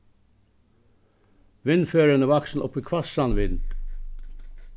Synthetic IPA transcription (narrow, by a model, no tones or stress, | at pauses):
ʋɪnføːɹənəʋɑksn̩ʔɔ̰pəkʰʋɑsɑnʋɪn